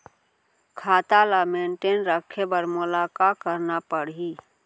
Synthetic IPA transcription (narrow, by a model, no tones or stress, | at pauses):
kʰaːt̪aːlamẽːɳʈeːnɾəkʰebəɾmʊlaːkaːkəɾnapəɽiː